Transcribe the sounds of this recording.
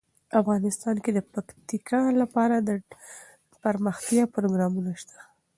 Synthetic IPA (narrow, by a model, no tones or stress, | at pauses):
afɣɑnɪst̪ɑnked̪əpakt̪ikʰɑlapɑɾad̪ə | pəɾməxt̪jɑpɾoɡɾɑmunaʃt̪ḁ